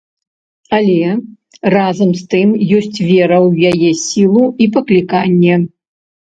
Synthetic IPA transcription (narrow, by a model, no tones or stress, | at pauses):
alʲɛ | razɐmst̪ɨmjɔsʲt͡sʲvʲɛɾɐwjajɛsʲilˠuipɐklʲikanʲːɛ